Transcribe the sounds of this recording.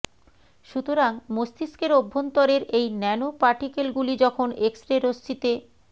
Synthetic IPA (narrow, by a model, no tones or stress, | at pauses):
ʃut̪oɾaŋmost̪iskeɾobʱːont̪oɾeɾejnɛnopaɾʈikelɡulid͡ʑɔkʰoneksʈɾeɾost͡ɕit̪e